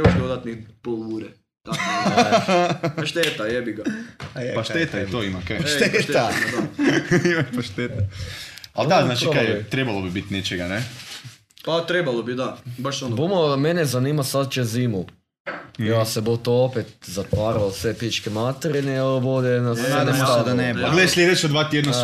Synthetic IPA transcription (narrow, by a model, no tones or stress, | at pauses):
oʃd̪od̪at̪nipolʋuɾe | t̪a | aʃt̪et̪ajebiɡapaʃt̪et̪ait̪oimakeʃet̪amad̪aimaʃpaʃt̪et̪a | alaznaːt͡ʃikajɛt̪ɾebalˠobibit̪net͡ʃeɡane | pat̪ɾebalˠobid̪abaʃonbomomenezaniːmasad̪t͡ʃeziːmu | jaːsebot̪oopet̪̚zat̪ʋaːɾaosʋepit͡ʃkemat̪eɾinebod̪enasenesd̪anepaɡled̪aʃslʲed̪et͡ʃod̪ʋaːt̪jed̪na